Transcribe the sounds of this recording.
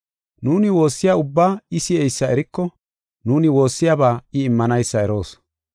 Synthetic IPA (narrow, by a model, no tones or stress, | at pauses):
nuːnɪwo̞ːsːɪjaʊbːaːɪsɪɛjsːɐɛɾɪkːɔ | nuːnɪwo̞ːsːɪjabaːɪːmːɐnɐjsːɐɛɾo̞ːs